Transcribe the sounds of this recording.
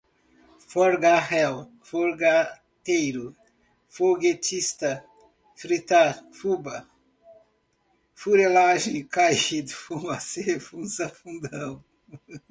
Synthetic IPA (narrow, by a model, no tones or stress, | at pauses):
foɾɡahɛw | foɾɡa | t̪ejɾʊ | foɡet͡ʃist̪ɐ | fɾit̪afubɐ | fuɾelaʒẽj̃kaid̪ʊfũmasefũsɐfũnd̪ɐ̃w̃